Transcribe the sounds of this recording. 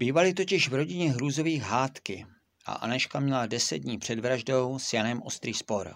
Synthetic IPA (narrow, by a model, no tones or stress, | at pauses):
biːvalɪt̪̬o̞cɪʃvɾo̞ɟɪɲɛɦɾuːzo̞viːxɦaːt̪kɪ | ʔa̰ʔa̰naʃkamɲɛladɛsɛd̪̚d̚ɲiːpr̥ɛdvɾaʒdo̞wsjanɛmʔo̞̰st̪ɾiːspo̞ɾ